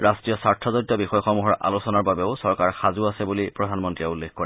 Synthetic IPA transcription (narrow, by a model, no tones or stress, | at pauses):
ɹastɹijɔsaɹtʰɔzɔdjɔbixɔjɔxɔmuɦɔɹʔa̰losɔnaɹbabɛʊsɔɹkaɹxazuasɛbulipɹɔdʱanmɔntɹiɛulːexkoɹɛ